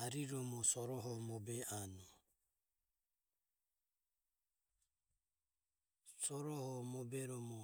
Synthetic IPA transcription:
aɾiɾɔmɔsɔɾɔɦɔmɔbɛʔanɔ | sɔɾɔhɔmɔbɛɾɔmɔ

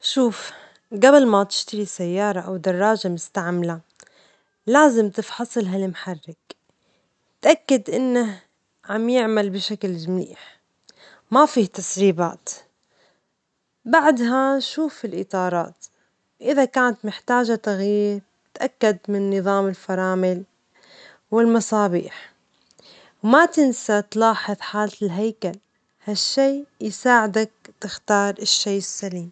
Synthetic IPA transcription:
ʃuːf | ɡablmat̪ɪ̥ʃt̪aɾisajːɑːɾˤɑʔawd̪ɑrˤːɑːʒamʊst̪aʕmala | laːzɪmt̪ɪfħɑsˤɨlɦalmħarːɪk | t̪ʔakːad̪ʔɪnːah | ʕamjɪʕmalbɪʃaklmlḭːħ | mafiːt̪asɾiːba̰ːt̪ | baʕd̪ɦanʃuːfɪlʔɪt̪ˤɑːɾˤɑ̰ːt̪ | wʔɪðakaːnat̪mɪħt̪aːʒat̪aɣjiːɾ | ɪt̪ʔakːad̪mɪnːɨðˤɑːmɪlfɑɾˤɑːmɪl | wɪlmɑsˤɑːbḭːħ | wmat̪ɪnsat̪lɑːħɨðˤħaːllɦajkal | haʃːiːjsaːʕɪd̪ak̚t̪ɪxt̪ɑːɾˤɪʃːejɪsːaliːm

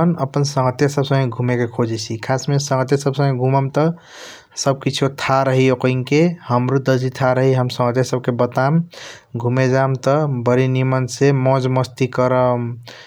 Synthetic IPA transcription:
ənəpənsə̃ŋɡət̪jasəbsə̃ŋeɡʱumekekʰod͡ʒɛt͡ʃʰikʰasmesə̃ŋɡət̪jasəbsə̃ŋẽɡʱuməmt̪ə | səb̚kit͡ʃʰot̪ʰaɾəɦiokəiŋkehəmɾud̪əd͡ʒit̪ʰaɾəɦiɦəmsə̃ŋɡət̪jasəb̚kebət̪am | ɡʱumed͡ʒamt̪əbəɾinimənsemɔ̃d͡ʒməst̪ikəɾəm

